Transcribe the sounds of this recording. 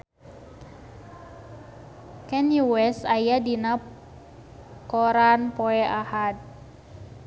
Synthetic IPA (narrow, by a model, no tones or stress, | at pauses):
kɛnuwɛsajadina | kɔɾanpɔɛʔahad̪̚